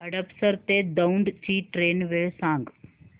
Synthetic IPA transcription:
ɐɖəpsəɾt̪ed̪ɐɳɖt͡ʃiːʈɾeːnʋesãːŋɡ

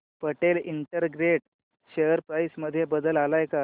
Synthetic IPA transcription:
pəʈeliɳʈəɾɡɾeʈ | ɕejəɾpɾajsməd̪ʱːjebəd̪əlalajka

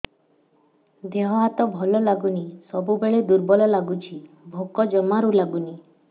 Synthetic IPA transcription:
d̪eɦɔɦat̪ɔbʱɔlɔlaɡunisɔbubeɭed̪uɾbɔlɔlaɡut͡ʃʰi | bʱokɔd͡ʒɔmaɾulaɡuni

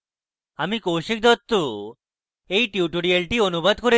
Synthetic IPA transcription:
amikowɕik̚d̪ʱɔt̪ːu | eiʈjuʈuɾijelʈiːənubʱad̪̚kɔɾe

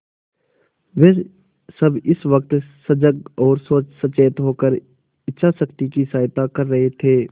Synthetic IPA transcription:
ʋeː | sɐbɪsʋəkt̪səd͡ʒəɡɔːɾsoːt͡ʃsət͡ʃeːət̪ɦoːkəɾ | ɪtːʃʰasəkt̪ikisaːjt̪akɐɾːɐɦet̪ʰeː

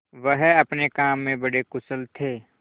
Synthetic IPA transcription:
ʋəɦɐpnekaːmːẽbɐɽekʊsəlt̪ʰeː

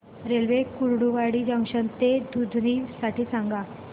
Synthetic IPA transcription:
ɾelʋekuɽɽuʋaɽiːd͡ʑə̃ŋɕənt̪ed̪ʱud̪ʱniːʋsaʈiːsãŋɡa

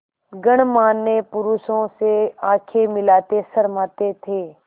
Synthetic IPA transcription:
ɡəɽmaːnːepʊɾuʃõseaːkʰemɪlaːt̪esəɾmaːt̪et̪ʰeː

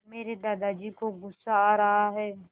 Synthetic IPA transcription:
meːɾed̪aːd̪ad͡ʒikoɡʊsaɾɐɦaɦɛː

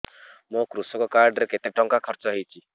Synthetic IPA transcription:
mũkɾusɔkɔkaɾɖɾeket̪eʈɔŋkakʰɔɾt͡ʃɔɦejt͡ʃʰi

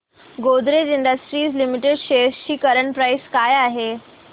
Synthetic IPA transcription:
ɡod̪ɾed͡ʑiɳɖəsʈɾiːslimiʈeɖɕesɕiːkəɾəɳpɾajskajaɦe

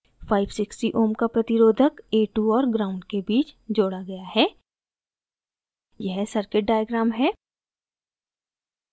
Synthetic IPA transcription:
faːɪbsɪksʈiʔoːmkapɾɐt̪ɪɾoːd̪ʱəkeːʈuɔːɾɡɾaːʊ̃ɳɖ̚kebiːt͡ʃd͡ʒoːɽaɡɐjaɦɛː | jɛɦsɐɾkɪʈ̚ɖaːjəɡɾaːmɦɛː

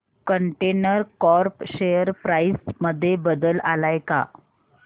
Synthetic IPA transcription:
kəɳʈenəɾkɔɾpɕejəɾpɾaisməd̪ʱːjebəd̪əlalajka̰

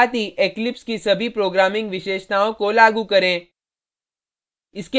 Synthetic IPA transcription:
t̪iʔeːklɪpskisɐbʱipɾoːɡɾaːmɪ̃ŋɡʋɪʃeːʃt̪aːõkolaːɡukɐɾẽː | ɪske

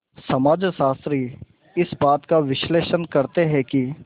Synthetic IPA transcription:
sɐmaːd͡ʒʃaːst̪ɾi | ɪsbaːt̪kaʋɪʃleːʃənkɐɾt̪eɦɛ̃ki

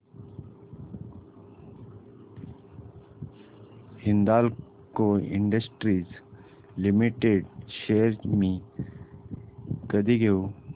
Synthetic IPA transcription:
hɪ̃nd̪aːl | koɪ̰̃ɳɖəsʈɾiːz | lɪmiʈeɖʃeːəɾmĩ | kəd̪iɡʱejoː

